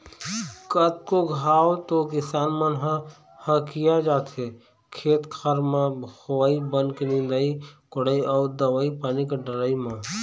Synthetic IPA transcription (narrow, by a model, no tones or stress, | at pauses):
kət̪̚koɡʱaːwot̪okɪsaːnmənɦə̃ | hə̃kijad͡ʒaːt̪ʰe | kʰeːt̪kʰaɾmãhoibənknĩd̪əikʊɽəiɔːd̪əwəipaːnikeɖəɾəimã